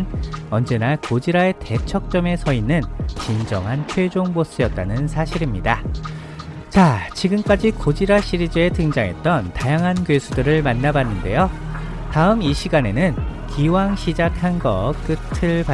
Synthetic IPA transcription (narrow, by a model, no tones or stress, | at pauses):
nʌnd͡ʑe̞nakod͡ʑiɾae̞te̞t͡ɕʰʌk̚t͡ɕ͈ʌme̞sʰʌinɯnt͡ɕind͡ʑʌŋɦant͡ɕʰwe̞d͡ʑoŋbos͈ɯjʌt̚t͈anɯnsʰaɕʰiɾimɲida | t͡ɕat͡ɕiɡɯmk͈ad͡ʑikod͡ʑiɾaɕʰiɾid͡ʑɯe̞tɯŋd͡ʑaŋɦe̞t̚t͈ʌntajaŋɦankjesʰudɯɾɯɭmanːabanːɯnde̞̰jotaɯmiɕʰiɡane̞nɯnkʰiwaŋɕʰid͡ʑakʰanɡʌ̰k͈ɯtʰɯɭpa